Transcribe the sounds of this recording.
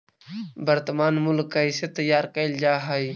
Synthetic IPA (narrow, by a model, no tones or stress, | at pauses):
bəɾt̪maːnmʊlkːaiset̪əjːaːɾkəɪld͡ʒaːɦəi